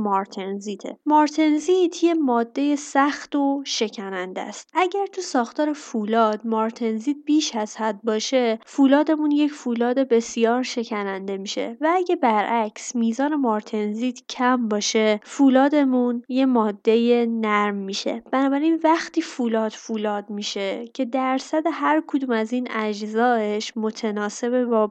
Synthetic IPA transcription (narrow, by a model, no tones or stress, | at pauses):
mɒɾt̪ʰenziːt̪ʰe̞̰mɒːɾt̪ʰenzit̪ʰje̞mɒːd̪ːe̞jesæxt̪oʃe̞cʰænænd̪æ̰st̪ʔæɟæɾt̪ʰusɒːxt̪ʰɒːɾefulɒːd̪̥̚mɒːɾt̪ʰe̞nziːt̪̚biːʃæz̥hæd̪̚bɒːʃe̞fuːlɒːd̪e̞munjecʰfulɒːd̪e̞be̞sijɒːɾʃe̞cʰænænd̪e̞miːʃe̞̰vææɟe̞bæɾʔæcsmiːzɒːne̞mɒɾt̪ʰe̞nziːd̪̥cʰæmbɒːʃefuːlɒːd̪e̞munje̞mɒːd̪ːe̞je̞næɾmːiːʃe̞̰b̥ænɒːbæɾinvæxt̪ʰiːfulɒːd̪̥fulɒːd̪̚miːʃe̞cʰe̞d̪æɾsæd̪e̞hæɾkʰod̪uːmæziːnæd͡ʒzɒːeʃmo̞t̪ʰenɒːse̞bebɒː